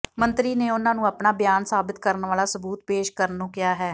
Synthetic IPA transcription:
mə̃nt̪ɾiːneːʊnãːnũːəpnaːbɪjaːnsaːbɪt̪kəɾənʋaːlaːsəbuːt̪̚peːʃkəɾnũːkɪjaːɦɛː

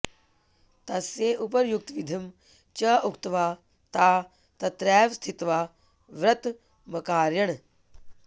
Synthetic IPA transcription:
t̪ɐseːʔupɐɾjuk̚t̪ʋid̪ʱɐm | t͡ʃɐːukt̪ʋaː | t̪aː | t̪ɐt̪ɾɛːʋst̪ʰit̪ʋaː | ʋɾɐt̪ | mɐkaːɾjɐɽ̃

